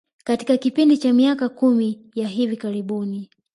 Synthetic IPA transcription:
kati̥kakipindit͡ʃamiakakumijaɦivikaɾiɓuni

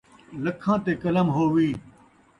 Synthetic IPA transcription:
lɐkʰãːt̪eːkɐləmɦoːʋiː

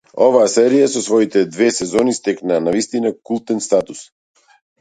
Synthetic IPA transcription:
ɔvaːsɛɾijasɔsvɔit̪ɛd̪vɛsɛzɔnist̪ɛknaːnavist̪inakulˠt̪ɛnst̪at̪us

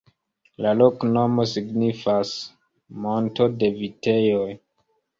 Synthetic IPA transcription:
lalo̞kno̞mo̞siɡnifas | mo̞nto̞de̞vite̞jo̞j

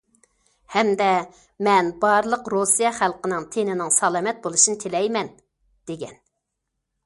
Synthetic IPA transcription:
hɛmd̪ɛ | mɛnbɑɾlˠəqɾosijɑχælˠqənɪŋt̪ʰenɪnɪŋsɑlˠɑmɛt̪̚bolˠuʃinɪt̪ʰelɛjmɛn | d̪̥eɡʲɛn

